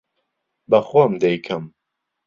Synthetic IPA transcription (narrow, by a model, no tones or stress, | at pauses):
bɐxomd̪ɛjkʰɐm